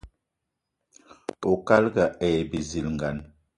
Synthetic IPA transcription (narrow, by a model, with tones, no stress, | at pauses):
o˨ka˦lɡa˨ɛ˨bi˨zi˨lŋ˨ɡa˨n